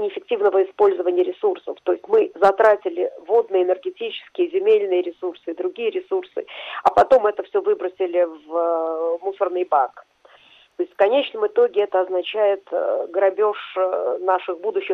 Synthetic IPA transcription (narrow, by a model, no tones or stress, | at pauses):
nʲɪɪfʲɪk̚tʲivnəvəɪspo̞lʲzəvənʲɪjəɾʲɪsursə̰ft̪o̞ɪsʲtʲmɨzɐt̪ɾatʲɪlʲɪvo̞d̪nɨjɪnʲərɡʲɪtʲit͡ɕɪ̥skʲɪjəzʲɪmʲelʲnɨjəɾʲɪsursɨd̪ɾʊɡʲijəɾʲɪsursɨ̰ɐpɐt̪o̞mɛt̪əfsʲovɨbɾəsʲɪlʲɪv | musərnɨjbak | t̪oɪsʲtʲfkɐnʲet͡ɕnəmɨt̪o̞ɡʲɪɛt̪əɐznɐt͡ɕæjɪt̪ɡəɾɐbʲoʂnaʂɨxbud̪ʊɕːɪ